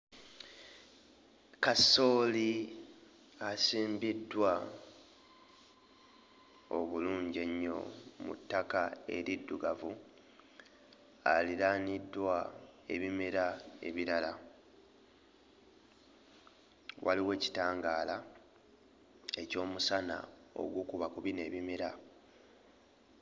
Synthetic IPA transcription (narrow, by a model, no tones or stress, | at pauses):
kaso̞ːli | asiːmbidːwa | o̰βuluːɲɟe̞ɲːo̞̰mṵtːakae̞ɾidːuɡavu | a̰liɾaːnidːwae̞βimeɾae̞̰βiɾala | wʔa̰liwe̞ːci̥taːŋɡaːla | e̞co̞ːmusana̰o̰ɡwukuβakuβine̞ːβimeɾa